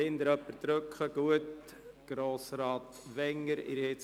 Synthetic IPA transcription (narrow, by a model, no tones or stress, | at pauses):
ɪnd̪əɾœpːəɾt̪ɾøkχəɡ̥uət̪ | ɡ̥ɾoːsɾɑːt̪ʋɛŋːəɾɪ̰ɾhɪt͡s